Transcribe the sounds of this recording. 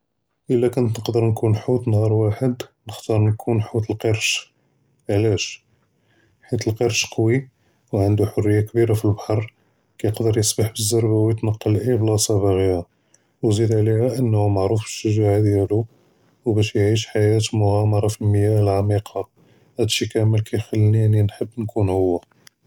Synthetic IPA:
ʔəlːækʊnt̪nəqd̪əɾnkunħut̪nhɑɾˤwaħəd̪nəxt̪ɑɾˤnkʰunħut̪əlqeɾʃ | ʕlæʃ | ħit̪əlqəɾʃqwi | wʕənd̪uħʊrːəjːakbiɾafilbaħɑɾˤ | kæjəqd̪əɾjəsbaħbəzːɑɾˤbawjət̪nɑqːɑlʔiblɑsɑbaɣihæ | wzid̪ʕlihæʔənːhumaʕɾufbəʃːəʒaʕad̪jælu | wbæʃjʕiʃ̬ħajæt̪mʊɣɑmɑɾˤɑfilməjæʔəlʕamiqʰɑ | hæd̪ʃikæməlkʰæjxəlːninːinħəbːnkʰunhʊwːæ

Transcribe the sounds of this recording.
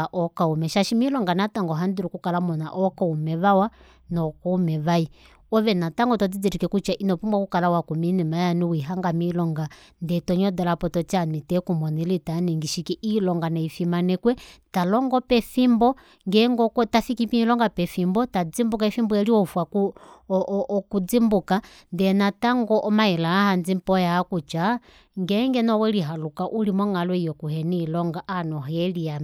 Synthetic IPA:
ʔɔkaumɛʃaʃimilɔŋɡanataŋɡɔɦandiɾukukalamɔna̰ʔɔkaumɛβawa | nɔkɔumɛβai | ɔβɛnataŋɡɔtɔd͡zid͡ziɾikɛkut͡ʃaʔinɔpumwakukalawakuminimajaniwiɦaŋɡamilɔŋɡandɛtɔɲɔdɔlapɔtɔt͡ʃanitɛkumɔnilitaniŋɡiʃikiʔilɔŋɡanaifimanɛkwɛtalɔŋɡɔpɛfimbɔ | ŋɡɛŋɡɔkɔtafikipiɲlɔŋɡapɛfimbɔtad͡zimbukaɛfimbɔɛliɔfwaku | kud͡zimbuka | ndɛnataŋɡɔʔɔmaɛlaahand͡zimpɔjaakut͡ʃa | ŋɡɛŋɡɛnɔwɛliɦalukaʔulimɔŋalwɛijɔkuɦɛniːlɔŋɡaʔanɔɦɛlia

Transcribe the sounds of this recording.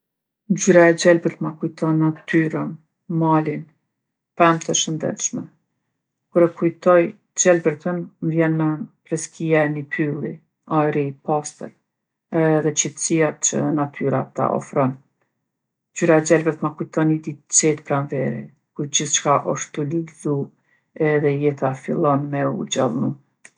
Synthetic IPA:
d͡ʒyɾaɛd͡ʒɛlbəɾt̪makujt̪ɔnːat̪yɾən | malin | pɛmt̪əʃənd̪ɛ̰t̪ʃmɛ | kuɾɛkujt̪ɔj | d͡ʒɛlbəɾt̪ənmvjɛnmɛpɾɛskijaɛnipʰylˠi | ajɾipast̪ə̰l | ɛðɛt͡ɕit̪ə̥siat͡ʃə̰nat̪ʰyɾat̪a̰ʔɔ̰fɾɔn | d͡ʒyɾaɛd͡ʒɛlbət̪makujt̪ɔnid̪it͡sɛt̪pɾanvɛɾɛ̰ | kuɾd͡ʑiθt͡ʃkaʔɔʃt̪uliɡzu | ɛðɛjɛt̪afilˠɔnmɛṵd͡ʑɛlˠnu

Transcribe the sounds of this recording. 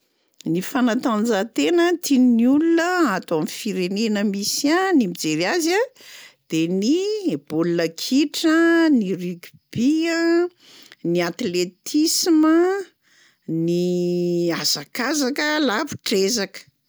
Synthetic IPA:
nifanat̪and͡zat̪enət̪ʰinniulunəat̪oamifiɾenenəmisianimid͡zeɾiazad̪̥enib̥olunəkʰiʈ͡ʂəniryɡ | b̥iə | niat̪let̪ʰismə | ni | azakazakəlavu̥ʈ͡ʂezakə̥

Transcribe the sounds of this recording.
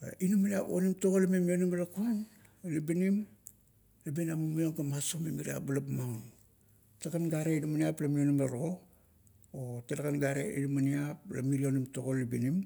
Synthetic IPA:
a̰ʔinumaniapo̰nimtoɡolimemionimelakuan | libinim | labenamumioŋɡamasomemiɾia̰balapmaŋ | taɡanɡaɾeinumaniaplamionimeɾo | otedakanɡaɾḛḭnumaniap̚la̰miɾionimtoɡolibinim

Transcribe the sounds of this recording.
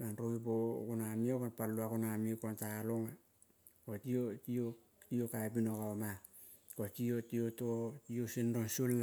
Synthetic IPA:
anɾoibokunamiokonpalːuakonamiokontaloŋa | kotiotio | tiokaebinokaoma | kotiotiototiosinɾonsul

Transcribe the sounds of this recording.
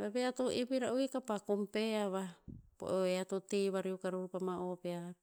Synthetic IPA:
βeβeat̪oʔipiɾaʔuikapakompeaβapo̰ʔoeat̪ot̪iβaɾiukaɾupamaʔopea

